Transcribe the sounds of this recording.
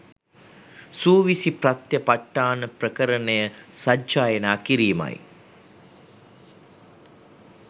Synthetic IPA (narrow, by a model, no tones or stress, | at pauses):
suːʋisiprat̪jəpaʈːaːnəprəkəɾənəjəsad͡ʒaːjənaːkiɾiːma̰j